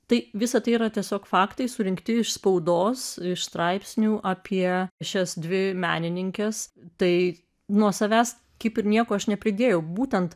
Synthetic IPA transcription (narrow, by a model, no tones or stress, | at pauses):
t̪ɐɪʋʲɪsɐt̪ɐɪiɾɐt̪ʲiɛsʲoːkfɑːkt̪ɐɪsʊɾʲɪŋkt̪ʲɪɪʃspɐʊd̪oːsɪʃst̪ɾɐɪpʲsʲnʲuːʔɑːpʲiɛʃʲɛsd̪ʲʋʲɪmʲæ̰ːnʲɪnʲɪŋʲkʲɛst̪ɐɪ | nuɔsɐʋʲæːs | kɐɪpɪɾnʲiɛkoːɐʃnʲɛpʲɾʲɪd̪ʲeːjɛʊbuːt̪ʲɛnt̪